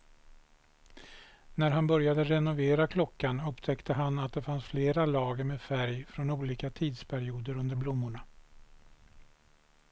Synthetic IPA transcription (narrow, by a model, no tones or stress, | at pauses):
næɾɦanbœɾjad̪əɾɛnʊveːɾakʰlɔkːanɵpt̪ʰɛkt̪ʰəɦanat̪̚d̪ɛfansfleːɾalɑːɡəɾmeːd̪fæɾjfɾɔnuːliːkat̪ʰiːd̪spʰæɾɪuːd̪əɾɵnd̪əɾblʊmːʊɳa